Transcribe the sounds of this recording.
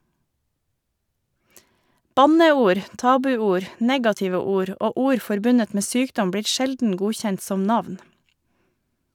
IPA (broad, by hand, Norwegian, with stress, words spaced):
ˈbɑnəˌuːɾ ˈtɑːbʉˌuːɾ ˈneːɡɑtɪʋə ˈuːɾ ˈoː ˈuːɾ ˈfɔɾbʉnət ˈmeː ˈsyːkdɔm ˈbɽiːɾ ˈʃɛldn̩ ˈɡuːçɛnt ˈsɔm ˈnɑʋn